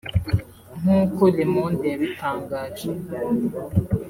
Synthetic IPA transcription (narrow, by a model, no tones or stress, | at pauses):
ŋukolemondeβitaːŋɡad͡ʒi